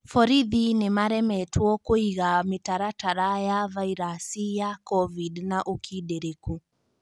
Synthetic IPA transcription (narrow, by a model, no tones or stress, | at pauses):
fɔɾiðinemaɾɛmɛtwɔkoiɣamɪtaɾataɾajavaiɾasijakɔvidnaʔukʰideɾeku